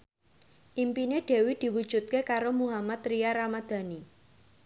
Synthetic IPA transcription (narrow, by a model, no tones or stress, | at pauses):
ʔimpineɖ̥e̤wid̪̥i̤wud̥ʒ̥ṳt̪̚kekaɾomuɦamat̪ɾiaɾamad̪̥a̤ni